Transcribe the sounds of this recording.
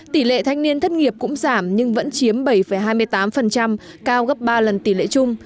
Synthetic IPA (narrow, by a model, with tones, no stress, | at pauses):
t̪i˧˩lḛ˧˨t̪ʰa˧jŋ̟ni˧ənt̪ʰə˦˥t̚ŋi˨˩əp̚kʊ̰˧˥ŋ͡mzaː˧˩mɲɨ˧ŋvə̰˧˥nt͡ɕi˨˦əmɓə˧˩jfə˧˩jɦaː˧jmɨ˧əjt̪aː˨˦mfə˨˩nt͡ɕa˧m | kaː˧wɣə˦˥p̚ɓaː˧lə˨˩nt̪i˧˩lḛ˧˨t͡ɕʊ˧ŋ͡m